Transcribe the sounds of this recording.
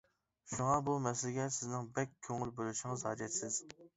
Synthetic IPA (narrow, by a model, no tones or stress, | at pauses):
ʃuŋɑbumɛslɪkʲɛt̪sɪznɪŋbɛkʲʰːøŋɪlboluʃɪŋɨzhɑ̰ːd͡ʒɛt̪sɪz̥